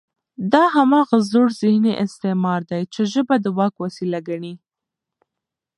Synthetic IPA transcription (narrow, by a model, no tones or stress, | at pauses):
d̪ɑɦamɑɣazoɽzɪhniʔɪst̪ɪmɑɾd̪ajt͡ʃeʒəbad̪əwɑkwasilaɡaɳi